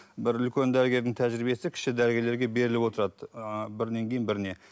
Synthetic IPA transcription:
bɪɾʏlkʲe̞nd̪æɾɡʲe̞ɾd̪ɪŋt̪ʰæʒɾibe̞sɪkʲʰɪ̥ʃkʲɪd̪æɾɡʲeleɾɡʲe̞be̞ɾɪlɪpwo̞t̪əɾɑd̪əbɪɾne̞ŋkʲʰe̞jɪnbɪɾne̞

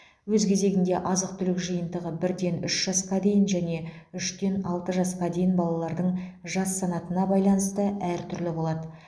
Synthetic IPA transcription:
wɵzkʲʰe̞ze̞ɡʲɪnd̪e̞ʔɑzəq̚t̪ʰʏlɪkʒəjənd̪əʁəbɪɾd̪e̞nʏʃʒ̥ɑsqɑd̪e̞jɪnʒæne̞ | ʏʃt̪e̞nɑlˠt̪əʒɑsqɑd̪e̞jɪnbɑlˠɑlˠɑɾd̪əɴʒɑsːɑnɑt̪ənɑbɑjlˠɑnəst̪əæɾt̪ʰʏɾlɪbo̞lˠɑd̪ə

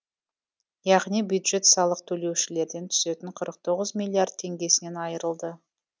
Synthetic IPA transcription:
jɑʁnijbjud̪ʒe̞t̪sɑlˠəq̚t̪ʰɵle̞wʃɪle̞ɾd̪e̞nt̪ʰʏ̥se̞t̪ɪɴqʰəɾəq̚t̪ʰo̞ʁəzmilʲːiard̪̚t̪ʰe̞ŋɡʲe̞sɪne̞nɑjəɾəlˠd̪ə

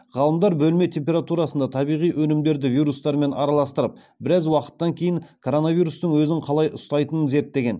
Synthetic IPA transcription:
ʁɑlˠəmd̪ɑɾbɵlme̞t̪ʲʰe̞mp̬ʲe̞ɾat̪uɾɑsənd̪ɑt̪ʰɑbijʁijʔɵnɪmd̪e̞ɾd̪ɪvijɾust̪ɑɾme̞nʔɑ̰ɾɑlˠɑst̪əɾəp̚ | bɪɾæzwɑqə̥t̪ːɑŋkʲʰe̞jɪŋkʰo̞ɾo̞navijɾust̪əɴwɵzɪŋqʰɑlˠɑjʔʊst̪ɑjt̪ənənze̞ɾt̪ːe̞ɡʲe̞n

